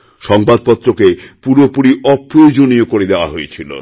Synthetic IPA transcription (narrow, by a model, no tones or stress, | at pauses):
ʃɔŋbad̪̚pɔt̪ːɾokepuɾopuɾiɔpɾojod͡ʑonijokoɾed̪eoaɦojet͡ɕʰilo̰